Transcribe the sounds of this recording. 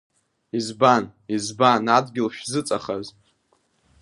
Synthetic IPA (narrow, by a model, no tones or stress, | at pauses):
izbanizbanadɡʲɪlʃᶣzɨt͡sʼaχaz